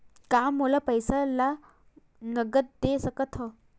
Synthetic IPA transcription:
kamːolapəjsala | nəɡət̪̚d̪esəkət̪ʰə

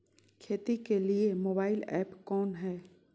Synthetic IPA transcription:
kʰeːt̪ikeliemoːbaːɪlɛːpkɔːnɦɛː

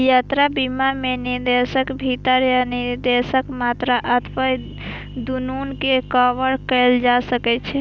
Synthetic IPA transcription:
jat̪ɾabimameniɾd̪esəkbʱit̪əɾjaniɾd̪esəkmat̪ɾaʔət̪ʰpəj | d̪ununkekəʋəɾkɛld͡ʒasəkɛt͡ʃʰɛ

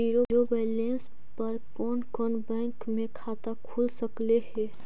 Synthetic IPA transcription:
iɾoɾobelẽns | pəɾkɔːnkɔnbɛ̃ŋkmẽkʰaːt̪akʰulsəklehɛ

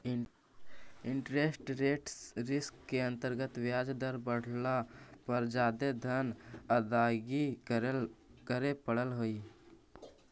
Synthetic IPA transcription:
iɳʈɾesʈɾeʈsɾɪskːeə̃nt̪əɾɡət̪ʋjad͡ʒd̪əɾbəɽ̤lapəɾd͡ʒad̪ed̪ʱənəd̪aɡi | kəɾepəɽəlɦoi

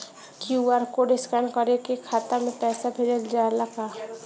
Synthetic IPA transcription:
kjuaɾkoɖɪskaɳɖkəɾekekʰaːt̪əɾmẽpɛːsabʰʱɪɾeɡd͡ʒaːɾlaɡaː

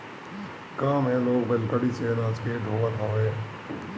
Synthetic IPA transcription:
kaːmɦɛ̃loːɡbelkəɽisenaːd͡ʒkeɖ̪ʱoːat̪ɦãːeː

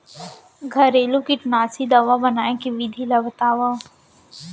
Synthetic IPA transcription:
ɡʱɐɾeːlũkiʈnaːsid̪ɐʋabənaːẽkiʋid̪ʱilɐbt̪aːʋa

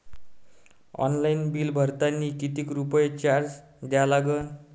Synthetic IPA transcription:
ɔ̰nlainbiːlbʱəɾt̪anːiːkit̪iːkɾupəjet͡ɕaɾd͡z | d̪jalaɡən

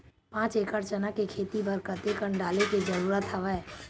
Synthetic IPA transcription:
pãːt͡ʃeːkəɾt͡ʃənakekʰeːt̪ibəɾkət̪ekəɳɖaːleked͡ʒəɾuːɾət̪ɦɐʋɛ

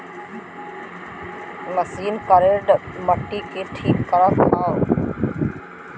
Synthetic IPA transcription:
məsiːnkəɾeːɖ | məʈːiːkeːʈʰiːkːəɾəpaː

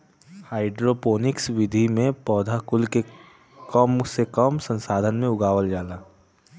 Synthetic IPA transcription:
haːɪɖɾopoːnɪksʋɪd̪ʱimẽpɔːd̪ʱakʊlke | kɔmsekəmsə̃nsaːd̪ʱənmẽʊɡaːʋəld͡ʒaːlaː

